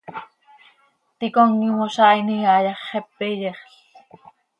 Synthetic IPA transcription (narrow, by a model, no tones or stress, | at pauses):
t̪ikoŋːimosɑːiniɑjɑχːepːejeχɬ